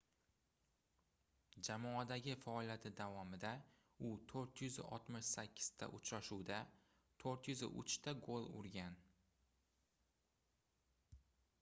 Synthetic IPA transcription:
d͡ʒamɒad̪aɡʲɪfaɒlˠijat̪ʰɪd̪avɒmɪd̪a | ʊt̪ʰoɾt̪jʏzɪ̰ʔɒ̰t̪mɪʃsakʲʰːɪ̥z̥t̪ʰa̰ʔʊt͡ʃɾaʃuwd̪a | t̪ʰoɾt̪jʏzɪ̰ʔʊ̰t͡ʃt̪ʰaɡolˠʊ̰ɾɡʲan

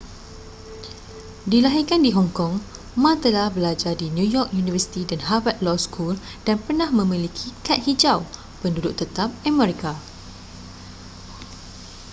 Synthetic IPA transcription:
dilaɦikandiɦɔŋkɔŋ | mãt̪əlahbəlad͡ʒardinjũjɔk̚junivəsi̥t̪idanɦavat̪̚lɔskʰul | d̥anpərnãhmə̃mĩlikʰikat̪̚hid͡ʒaw | pəndudʊʔt̪ət̪ap̚amɛ̃ɾika

